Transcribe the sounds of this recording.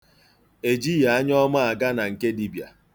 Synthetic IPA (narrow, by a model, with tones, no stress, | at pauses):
e˨d͡ʒi˦ja˨a˦ɲ˦ɔ˦ma˦a˨ɡa˦na˨ŋ̩˨ke˦di˦bja̰˨